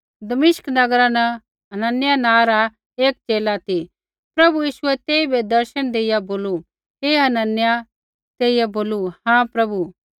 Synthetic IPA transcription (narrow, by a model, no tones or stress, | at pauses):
d̪ɐmɪʃknɐɡɾãnɛ | ɦɐnənjanãːɾa | eːk̚t͡ʃeːlat̪i | pɾɐbujiːʃʊɛt̪eːibʱed̪ɐɾʃəɽ̃d̪eːɪjaboːlu | ɦeːɦɐnənja | t̪eːijaboːluhãːpɾɐbu